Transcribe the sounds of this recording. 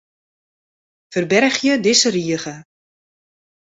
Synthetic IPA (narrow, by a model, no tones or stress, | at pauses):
fərbɛrxjədɪsəriəɣə